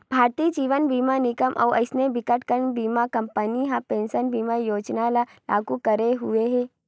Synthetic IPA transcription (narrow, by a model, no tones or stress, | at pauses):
b̥ʱaːɾt̪iːd͡ʒiːʋənbiːmanɪkəmʔɔ̰ːɐ̰ɪsnebɪkəʈkəɾnbiːmakɐ̃mpəniɦãpẽːnsənbiːmajoːd͡ʒnalalʔa̰ːɡukɐɾeɦʊeɦɛ̃ː